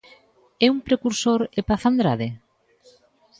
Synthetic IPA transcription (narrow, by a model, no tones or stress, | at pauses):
ɛuŋpɾekuɾsoɾepaθand̪ɾaðe